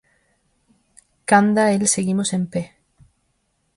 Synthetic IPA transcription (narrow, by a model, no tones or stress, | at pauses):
kand̪aelseɣimose̞mpe